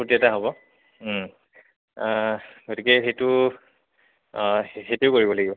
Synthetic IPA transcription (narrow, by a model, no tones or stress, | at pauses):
potiɛtaɦobɔ | ɡotikɛxetʊ | xejtujʊkoɹibɔlaɡibɔ